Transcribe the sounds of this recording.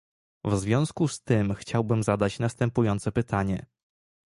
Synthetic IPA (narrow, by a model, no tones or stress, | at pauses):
vzvʲjɔ̃w̃skust̪ɘmxt͡ɕawbɘmzad̪at͡ɕnast̪ɛmpujɔnt̪sɛpɘt̪aɲɛ̰